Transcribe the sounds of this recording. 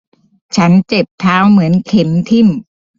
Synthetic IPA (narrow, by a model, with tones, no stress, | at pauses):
t͡ɕʰa˦˥nt͡ɕe˨˩p̚t̪ʰaː˦˥wmɯ˩˦ənkʰe˩˦mt̪ʰi˥˩m